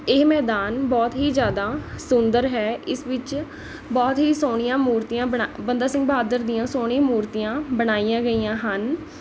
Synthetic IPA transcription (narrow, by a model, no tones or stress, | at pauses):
eːmɛːd̪aːnbɔːt̪ɦiːzjaːd̪aːsʊnd̪əɾɦɛːʔɪsʋɪt͡ʃ | bɔːt̪ɦiːsoːɽ̃ɪjãːmuːɾt̪ijãːbəabənd̪aːsɪ̃ŋɡ̚baːd̪əɾd̪ijãːsoːɳ̃imuːɾt̪ijãːbəɽ̃aːijãːɡəiːãːɦən